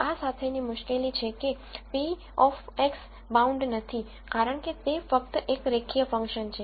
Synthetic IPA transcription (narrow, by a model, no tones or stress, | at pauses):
asat̪ʰenimʊʃkelit͡ʃʰeke | pi | ɔfeks | baũɳɖnət̪ʰi | kaɾəɳ̃ket̪efək̚t̪ʔekɾekʰijəfə̃ŋkʃənt͡ʃʰe